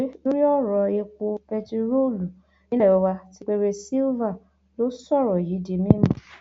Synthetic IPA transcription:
lo˦ɾi˦ɔ˦˨ɾɔ˧e˧ko˧pɛ˧ti˧ɾo˦˨lu˨ | ĩ˦ɛ˦˨ɔ˧wa˧ti˦k͡pe˦ɾe˧si˦lva˦˨ | lo˦sɔ˦˨ɾɔ˨ji˨˦di˧mĩ˦mũ˨

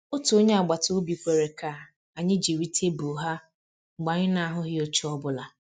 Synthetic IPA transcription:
o˦tu˨o˦ɲe˦a˨ɡ͡ba˨to˦bi˨kʷe˨ɾe˨ka˦˨ | a˨ɲɪ˦d͡ʒi˨ɾi˦tʰe˦bu˨ɦa˦ | ŋ͡m̩˨ɡ͡ba˨ɲɪ˦na˨a˨ɦʊ˦ɦɪ˦o˦t͡ʃu˦ɔ˦bʊ˦la˨

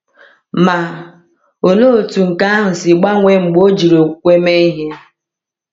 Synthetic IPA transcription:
ma˨ | o˨no˦o˨tu˨ŋ̩˨ka˦a˦ɦʊ˨sɪ˨ɡ͡ba˦ŋʷe˦ŋ͡m̩˨ɡ͡bo˦d͡ʒi˨ɾo˨kʷe˦me˦i˦ɦe˦

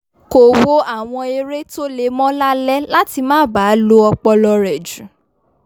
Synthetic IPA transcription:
ko˨wo˦a˦˨w̃ɔ̃˧e˧ɾe˦to˦le˧mɔ̃˦la˦lɛ˦la˦ti˧mãː˦˨ba˨˦lo˦ɔ˧k͡pɔ˧lɔ˧ɾɛ˨d͡ʒũ˨

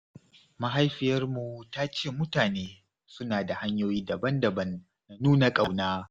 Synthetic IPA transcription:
ma˦ɦa˦jɸɪ˨jɐ˦rmu˨taː˦t͡ʃeː˦˨mʊ˦taː˨neː˦ | sʊ˦naː˨da˨ha˦ɲjoː˦jiː˦dɐ˨bɐ˦ndɐ˨bɐ˦nː | a˨nuː˦na˨kʼa˨wnaː˦

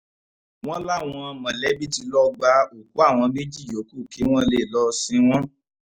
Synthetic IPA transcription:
w̃ɔ̃˦la˦˨w̃ɔ̃˧mã˨lɛ˨˦bi˦ti˧lɔ˦ɡ͡ba˧o˨k̚u˨˦a˦˨w̃ɔ̃˧me˦d͡ʒi˦˨jo˨˦ku˦˨ki˨˦w̃ɔ̃˦le˦˨lɔ˧sĩ˧˦w̃ɔ̃˦

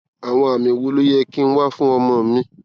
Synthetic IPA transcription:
a˨w̃ɔ̃˧a˨mĩ˧wo˧lu˦je˦ki˦n̩˦wa˦fũ˦ɔ˧mɔ̃˧˨˦mĩ˧˦

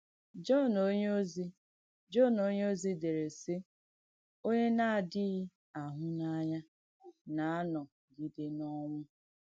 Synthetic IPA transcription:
d͡ʒɔ˦˨no˦ɲ˦o˦zi˦ | d͡ʒɔ˦˨no˦ɲe˦o˦zi˦de˨ɾe˨si˦ | o˦ɲe˦na˦a˨dɪ˦ɣi˦ | a˨ɦʊ˦na˦ɲa˦ | na˨a˦nɔ˨ | ɡi˨de˦nɔ˦ŋʷʊ˦

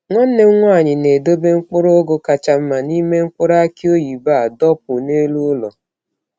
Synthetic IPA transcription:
ŋʷɔ˦n̩˦ne˦ŋʷɔ˦a˨ɲɪ˨ne˨do˦be˦ŋ͡m̩˦k͡pʊ˦ɾo˦ɡo˦ka˨t͡ʃa˨m̩˦ma˨ni˦me˦ŋ͡m̩˦k͡pʊ˦ɾa˦kɪ˦o˦ji˨ba˦˨dɔ˦p̚ʊ˨ne˦lu˦ʊ˦lɔ̰˨

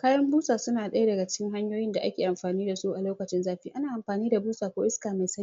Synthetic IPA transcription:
kaː˦jɐ˦mbuː˦saː˨sʊ˦naː˨ɗɐ˦ja˦dɐ˨ɡa˨t͡ʃɪ̥˦kʲɪ˦ŋɦa˦ɲjoː˦jɪ˦nda˨ʔa̰˦kʲeː˨ʔa˨mɸaː˨niː˦da˨su˦ʔa˨loː˦kɐ˨t͡ʃɪ˦nzaː˦ɸiː˦ʔa˦naː˨ʔa˨mɸaː˨niː˦da˨buː˦saː˨kʷoː˦ʔɪ˦skaː˨ma˨jsɐ˦

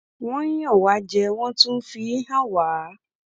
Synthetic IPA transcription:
w̃ɔ̃˦ɲĩ˦ɔ˦˨wa˨˦d͡ʒɛ˧w̃ɔ̃˦tũ˦fi˧i˦ɦã˦waː˨˦

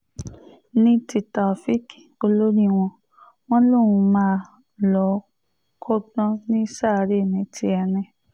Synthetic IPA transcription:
nĩ˦ti˧ta˨fi˦ko˧lo˦ɾi˦w̃ɔ̃˧ | w̃ɔ̃˦lõ˦˨ũ˨˧mãː˦ | lɔ˨˦ | kʰɔ˦dã˦nĩ˦sa˦˨˧ɾe˦˨mĩ˨˦tʰi˧ɛ˧nɛ̃˧

